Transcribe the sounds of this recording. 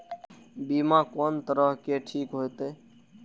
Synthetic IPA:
biːmãːkoːnt̪əɾəɦkeːʈʰiːkɦoet̪eː

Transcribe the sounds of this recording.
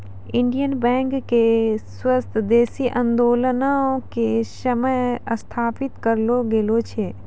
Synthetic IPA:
ɪ̃ɳɖijənbɛ̃ːŋkːeswəst̪ʰd̪eːsiʔə̃nd̪oːlənaõkesəməjəst̪ʰaːpɪt̪kəɾloɡelot͡ʃʰe

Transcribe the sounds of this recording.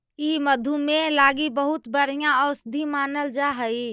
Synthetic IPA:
iːməd̪ʱumẽlaːɡibəɦʊt̪bəɾijãɔːsd̪ʱimaːnəld͡ʒaːɦəi

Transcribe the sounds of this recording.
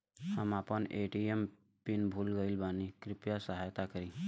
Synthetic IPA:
həmaːpənʔeːʈiem | pɪnbʱuːlɡəilbaːnikɾɪpjasəɦaːjt̪akəɾĩː

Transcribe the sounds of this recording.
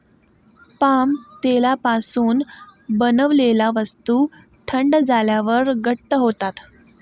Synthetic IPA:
pamt̪elapasuːnbənəʋlelaʋəst̪u | ʈʰəɳɖd͡zʱaljaʋəɾɡəʈːəɦot̪at̪

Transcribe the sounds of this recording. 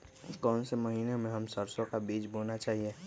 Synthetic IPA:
kɔːnseməɦiːnemẽɦɐmsəɾsokabiːd͡ʒboːnat͡ʃaːɦie

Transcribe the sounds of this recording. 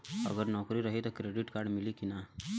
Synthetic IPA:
ə̰ɡəɾnɔːkɾiɾəɦit̪ɔkɾeːɖɪʈkaːɾɖmɪlikina

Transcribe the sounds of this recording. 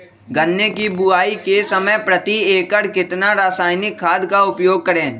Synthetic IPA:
ɡɐnːekibʊaːikesɐməjpɾɐt̪ieːkəɽkɪt̪naɾaːsaːɪnɪkʰːaːd̪kaʊpjoːɡ̚kɐɾẽː

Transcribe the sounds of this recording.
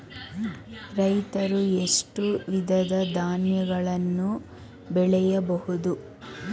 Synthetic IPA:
ɾɐjt̪ɐɾue̞ʂʈuʋid̪ʱɐd̪ɐd̪aːnjɐɡɐɭɐnːu | bɛɭɛjɐbɐhud̪u

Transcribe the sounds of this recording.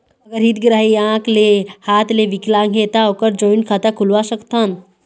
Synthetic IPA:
ɐɡəɾɦit̪ɡɾaɦiãklehaːt̪leʋiklaŋɡʱet̪aokəɾd͡ʒɔinkʰat̪akʰulʋasəkt̪an

